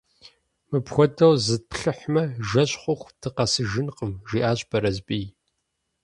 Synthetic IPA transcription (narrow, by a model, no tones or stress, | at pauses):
mɨpxʷɔdɐwzɨd̚pɬɨħmɐʒɐɕχʷʊxʷtʰɨqɐsɨʒɪnqəmʒiːʔaːɕʼbɐɾɐzpʼiː